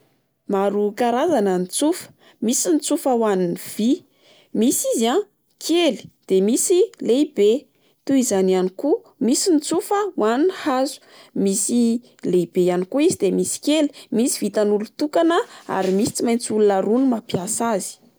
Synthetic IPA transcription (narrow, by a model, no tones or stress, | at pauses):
maɾukaɾazanənit͡sufə̥ | misinit͡sufawaniniv̥i | misiza | kʰeli̥d̪̥emisileibe | t̪uizananiku | misinit͡sufəwaninhazu̥ | misi | leibejanikuizid̪emisi̥keli̥misi̥vit̪anulut̪ukanəa̰ɾimisi̥t͡simajnt͡sulunaɾunimapjasazi̥